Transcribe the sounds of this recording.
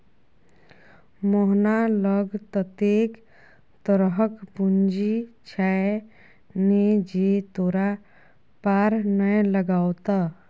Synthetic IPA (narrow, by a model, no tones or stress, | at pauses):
moɦnaləɡt̪ət̪ek | t̪əɾɦəkpund͡ʒit͡ʃʰae | ned͡ʒet̪oɾa | paɾnəjləɡawt̪a